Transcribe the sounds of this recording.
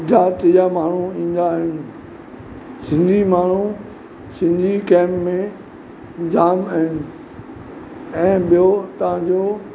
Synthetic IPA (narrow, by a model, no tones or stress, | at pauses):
d͡ʑaːt̪jamaːɳ̤uĩːn̆d̪aɦɪnɪ̆ | sɪ̃nd̪ʱimaːɳ̤u | sɪ̃nd̪ʱikɛ̃ːmpmẽ | d͡ʑaːmɐɦɪnɪ̆ | ɛ̃ːɓijot̪ɐʋ̤ãɲd͡ʑoː